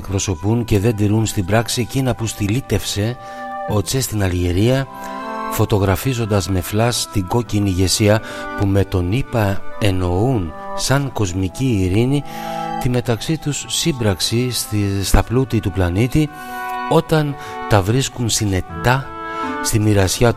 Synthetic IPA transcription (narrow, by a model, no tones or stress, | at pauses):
kpɾo̞so̞punce̞ðe̞nd̪iɾunst̪ibɾɐksie̞cinɐpust̪ilit̪e̞fse̞ | o̞sest̪inɐlʝeɾiɐ | fo̞t̪o̞ɣɾɐfizo̞nd̪ɐzme̞flɐst̪iŋɡo̞ciniʝe̞siɐpume̞t̪o̞nipɐe̞no̞unsɐŋko̞zmiciːɾinit̪ime̞t̪ɐksit̪usːimbɾɐksist̪ɐplut̪it̪uplɐnit̪i | o̞t̪ɐn | t̪ɐvɾiskunsine̞t̪ɐ | st̪imiɾɐsçɐt̪